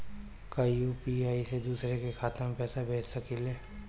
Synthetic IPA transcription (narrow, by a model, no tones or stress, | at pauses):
kajupiaːised̪uːsɾekekʰaːt̪əmpɛːsabʱeːt͡ʃsɐkileː